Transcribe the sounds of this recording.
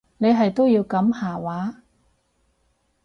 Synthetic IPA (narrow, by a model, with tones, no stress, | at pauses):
ne˨˧jɦɐ˨jt̪o˥wjiː˧wkɐ˨˥mhaː˨˩waː˨˥